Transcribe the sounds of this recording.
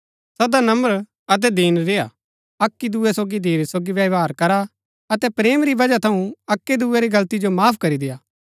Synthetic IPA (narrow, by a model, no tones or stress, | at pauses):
sɐd̪anɐ̃məɾ | ɐt̪̬ɛd̪iːnɾeːa̰ | ɐkːid̪uːɛsoːɡid̪eːɾesoːɡiʋjɐʋaːɾkɐɾa | ɐt̪ɛpɾeːmɾibɐd͡ʒat̪ʰɐũɐkːed̪uːɛɾiɡɐlt̪id͡ʒomaːpʰkɐɾid̪ejaː